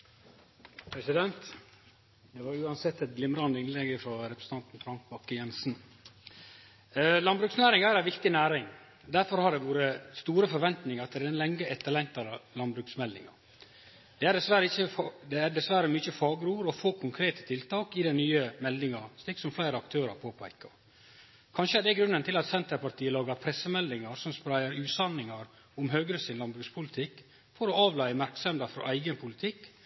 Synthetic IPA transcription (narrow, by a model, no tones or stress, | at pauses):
pʰɾɛsɪd̪ɛnt̪ | d̪ɛʋɑɾʉːɑnsɛt̪ːɛt̪̚ɡlɪmɾɑnd̪əɪnlɛɡəfɾɔɾɛpɾəs̩t̪ʰɑnt̪n̩fɾɑŋk̚bɑkːəjɛnsn | lɑnbɾʉksnæːɾɪŋæɾæʋɪkt̪ɪnæːɾɪŋ | d̪æɾfɔɾhɑɖ̪ɛʋuːɾəst̪uːɾəfɔɾʋɛnt̪nɪŋəɾɑt̪d̪ɛɾɛnlɛŋːəɛt̪ʰːɑlɛnt̪ɑɾlɑnbɾʉksmɛld̪ɪ̰ŋɑ̰ | d̪̥ɛæɖɛsʋæɾəɪçəfd̪ɛædɛsʋæɾəmʏçəfɑːɡɾuːɾɔfoːkʰʊŋkʰɾeːt̪ə̥t̪ʰɪlt̪ɑːkɪd̪ɛnnyːəmɛld̪ɪŋɑst̪ɪksɔmflæɪɾəɑkt̪ʰøːɾəɾpʰoːpʰæɪkːəɾ | kʰɑnʃəæɖɛɡɾʉnːənt̪ʰɪlɑt̪sɛnt̪əɾpɑɾʈ̪ʰiːəlɑːɡəɾpʰɾɛsːəmɛld̪ɪŋɑɾsɔmspɾæɪəɾʉːt̪sɑnːɪŋɑɾ | ʊmɦøːɡɾəsɪnlɑnbɾʉkspʰʊlɪt̪ʰɪkː | fɔɾɔɑːʋlæɪəmæɾksɛmd̪ɑfɾɔ̰ʔæɪɡənpʰʊlɪt̪ʰɪkː